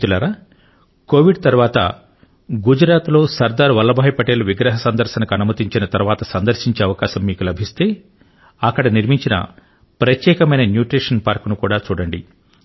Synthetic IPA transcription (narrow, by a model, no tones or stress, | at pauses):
t̪ulaːɾaː | ko̞ːʋiɖt̪ɐɾuʋaːt̪ɐ̰ | ɡud͡ʒɾaːt̪lo̞ːsɐɾd̪aːɾʋɐlːɐbʱaːjɐpɐʈeːluʋiɡɾɐɦɐsɐnd̪ɐɾʃɐnɐkɐnumɐt̪iɲt͡ʃinɐt̪ɐɾuʋaːt̪ɐsɐnd̪ɐɾʃiɲt͡ʃeːɐʋɐkaːʃɐmːiːkulɐbʱist̪e̞ː | ɐkːɐɽɐniɾmiɲt͡ʃinɐ̰ | pɾɐt̪jɛːkɐmɐjnɐnjuːʈɾiːʂɐnpaːɾknukuːɽaːt͡ʃuːɽɐɳɖḭ